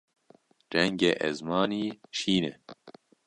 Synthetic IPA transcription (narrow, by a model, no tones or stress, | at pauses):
ɾɛŋɡeʔɛzmɑːniːʃiːnɛ